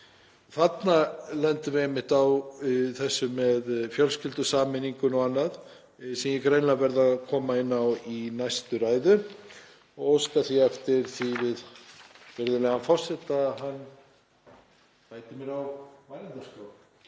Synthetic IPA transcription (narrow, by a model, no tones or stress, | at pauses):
θat̪nalɛnt̪ʏvɪemɪht̪awθɛsːʏmɛðfjœlscɪlt̪ʏsaːmɪniŋkʏnɔanːað | sɛmjɛkɾeːjnlavɛɾðakʰɔːmaɪnːawinajst̪ʏɾaːjðʏ | ɔɣowskaθiɛft̪ɪɾ̥θivɪðvɛɾðɪlɛːɣanfɔr̥sɛht̪aɦanː | paːjt̪ɪmjɛɾawmaːjɾant̪askow